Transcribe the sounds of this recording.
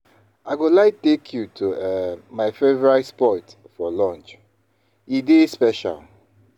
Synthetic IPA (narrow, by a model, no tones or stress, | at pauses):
aɪɡolaɪtekʰjutʰuɛmaɪfevɹatspɔt | fɔlɔ̃nt͡ʃ | idespɛʃa̰l